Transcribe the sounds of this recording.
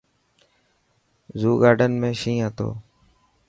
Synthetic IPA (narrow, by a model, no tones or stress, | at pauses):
zuːɡaːɖənmẽːʃĩːət̪o̰ː